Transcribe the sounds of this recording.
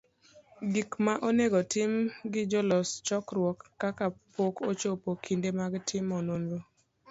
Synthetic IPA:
ɡikmaʔoneɡɔtɪmɡɪd͡ʒɔlɔst͡ʃɔkɾwɔkːakapokʰot͡ʃopokʰindemaɡɪtʰɪmɔnondo

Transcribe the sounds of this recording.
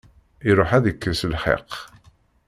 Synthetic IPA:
iɾˤoħæðəkːəsəlħḛq

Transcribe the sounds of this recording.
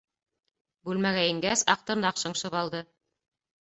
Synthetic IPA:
bʉlmæɣæĭŋɡæsɑ̰q̚t̪ɤ̆ɾnɑqʃɤ̆ɴʃɤβɑlˠd̪ɤ

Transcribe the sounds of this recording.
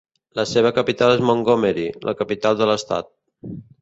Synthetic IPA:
ləseβ̞əkəpit̪alezmoŋɡomeɾilʔə̰kəpit̪alˠd̪ələst̪a̰t̪̚

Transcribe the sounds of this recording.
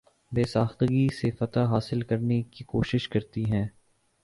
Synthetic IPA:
beːsaːxt̪əɡisefɐt̪aɦaːsɪlkɐɾnekikoːʃɪʃkɐɾt̪iɦɛ̃ː

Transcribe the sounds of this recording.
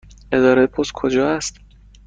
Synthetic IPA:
ʔe̞d̪ɒːɾepʰoskʰod͡ʒɒːæst̪

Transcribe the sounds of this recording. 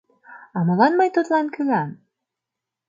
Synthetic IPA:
ɑmɑ̆lˠɑnmɑjt̪ot̪lˠɑnkɵ̆ɡæn

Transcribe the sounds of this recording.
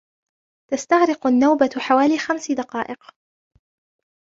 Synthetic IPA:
t̪ast̪aɣɾɪqʊnːawbaħawaːliːxamsɪd̪ɑqɑːʔɪq

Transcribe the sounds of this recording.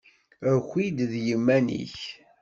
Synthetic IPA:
əɾxʷid̪ðjəmːænḭç

